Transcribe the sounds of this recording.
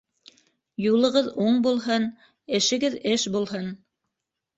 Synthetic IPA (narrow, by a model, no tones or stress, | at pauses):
julˠɤ̆ʁɤðuɴbulˠɦɤn | ɘ̆ʃɘ̆ɡɘðɘʃbulˠɦɤn